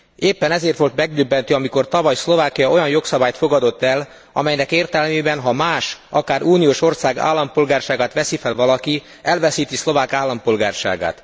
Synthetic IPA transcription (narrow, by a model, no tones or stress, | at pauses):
eːpːɛnɛzeːrt̪ʋo̞lt̪mɛɡ̚d̪øbːɛnt̪øɒmiko̞rt̪ɒvɒjslo̞vaːkijɒo̞jɒnjo̞ksɒbaːjt̪fo̞ɡɒd̪o̞t̪ːɛl | ɒ̰mɛjnɛkeːrt̪ɛlmeːbɛnɦɒmaːʃʔɒkaːɾuːnijoːʃo̞rsaːɡa̰ːlːɒmpolɡaːrʃaːɡaːt̪ʋɛsifɛlvɒlɒki | ɛlvɛsiːt̪islo̞vaːkaːlːɒmpo̞lɡa̰ːrʃa̰ːɡa̰ːt̪